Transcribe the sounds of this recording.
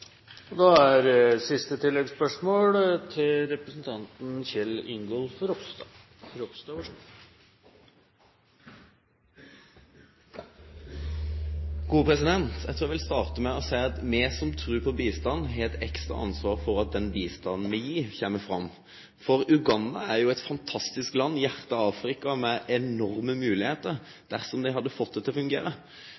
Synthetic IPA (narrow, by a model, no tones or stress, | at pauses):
ɔd̪ɑæɾsɪst̪ət̪ʰɪlːɛɡspœʂmoːlt̪ʰɪlɾɛpɾəsn̩t̪ʰɑnt̪n̩çɛlʏŋɡɔlfɾɔs | ɾɔpst̪ɑʋəʂ | ɡuːpʰʁɛsɪd̪ɛnt̪jæɪt̪ʰːæʋɪlst̪ɑːʁt̪əmɛɔsæɪɑt̪meːsɔmt̪ʰɾʉːpʰɔbiːst̪ɑnɦeːlt̪ɛkst̪ɾɑ̰ʔɑ̰nsʋɑːʁfɔɾɑt̪̚d̪ɛnbiːst̪ɑnn̩ʋɛjiːçeːməfʁɑmː | fɔʁʉɡɑnd̪ɑæʁjʊɛt̪fɑnt̪ʰɑst̪ɪsklɑnːjæʁt̪əɑːfɾɪkɑmɛʔɛnɔʁməmʉːlɪheːt̪əʁ | d̪̥æʁsɔmd̪ɪhɑd̪ːəfɔt̪̚ːd̪ɛt̪ʰːɪlɔfʉŋɡḛːɾə